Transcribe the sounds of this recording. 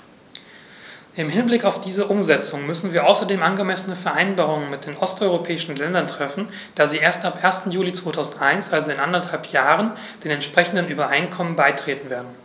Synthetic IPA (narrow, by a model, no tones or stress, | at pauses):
ʔɪmɦɪnblɪkaʊfd̥iːzəʔʊmzɛt͡sʊŋmʏsn̩viːɐʔaʊsɐdeːmʔanɡəmɛsənəfɛɐʔaɪnbaːʁ̞ʊŋənmɪt̚d̥eːnʔɔstʔɔʏʁ̞opʰɛːɪʃn̩lɛndɐntʁ̥ɛfn̩ | d̥aːziːʔeːɐstapʔeːɐstn̩juːlit͡sv̥oːtʰaʊzn̩tʔaɪnsʔalzoɪnʔandɐthalpʰjaːʁ̞ən | d̥eːnɛntʃpʁ̥ɛçn̩dənʔyːbɐʔaɪnkʰɔmənbaɪtʁ̥eːtn̩veːɐdn̩